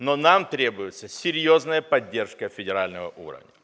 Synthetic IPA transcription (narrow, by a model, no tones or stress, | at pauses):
nonamt̪ɾʲe̞bʊjɪt̪səsʲɪɾʲjoznəjəpɐdʲːe̞rʂkəfʲɪdʲɪɾalʲnəvə̰ʔṵɾə̰vnʲə